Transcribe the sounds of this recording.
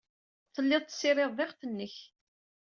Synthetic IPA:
θəlːɪðˤt̪ːsɪɾˤɪðˤðˤɪʁθənːəç

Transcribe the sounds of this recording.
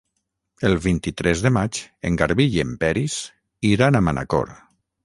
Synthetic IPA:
elˠβint̪it̪ɾʔɛzðəmat͡ʃeŋɡaɾβiʎempɛɾis | iɾanamanʔa̰kɔ̰ɾ

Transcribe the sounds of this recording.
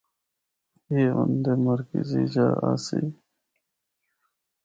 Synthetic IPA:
eːund̪eməɾkiziːd͡ʑaːasi

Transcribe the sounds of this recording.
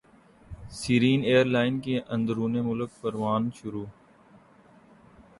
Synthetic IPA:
siːɾiːneːəɾlaːɪnkeːʔə̃nd̪ɾuːneːmʊlək̚pəɾʋaːnʃʊɾuː

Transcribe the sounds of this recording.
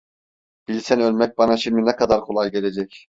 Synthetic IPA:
b̥ilʲsænølʲmɛc̚bɑnaʃimd̪inɛkʰad̪aɾkʰolˠajɟe̞lʲed͡ʒɛc

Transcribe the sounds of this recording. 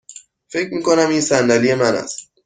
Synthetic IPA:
fe̞cʰmiːkʰo̞næmiːnsændælije̞mænæ̰st̪̚

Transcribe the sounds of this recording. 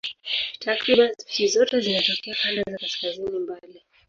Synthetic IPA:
tʰakɾiɓanfitizɔtɛzinatɔkɛakandazakaskazinimbali

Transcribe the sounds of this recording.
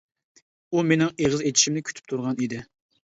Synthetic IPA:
umenɪŋeʁəzet̪ʰi̥ʃimnɪkʲʰy̥t̪ʰy̥p̚t̪ʰuɾʁɑnid̪ɪ

